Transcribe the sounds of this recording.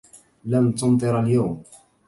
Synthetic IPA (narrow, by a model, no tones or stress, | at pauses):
lant̪ʊnt̪ˤɨɾaljawm